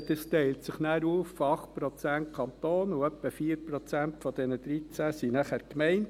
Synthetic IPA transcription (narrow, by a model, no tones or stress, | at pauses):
d̥̪əstɛɪltsɪχnæːɾuːffoɑχt̚pɾɔt͡sæntkʰɑnt̪oːnuœpːəfiːəɾpɾɔt͡sæntfɔd̥ɛnəd̥̪ɾit͡sæsinæχæːɾkmɛɪnt